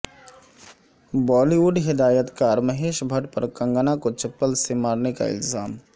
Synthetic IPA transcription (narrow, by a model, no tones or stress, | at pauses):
bɔːliʋuɖɦɪd̪aːjət̪kaːɾmɐɦeːʃbʱɐʈpɐɾkɐ̃ŋɡənakot͡ʃɐpːəlsemaːɾneka̰ɪ̰lzaːm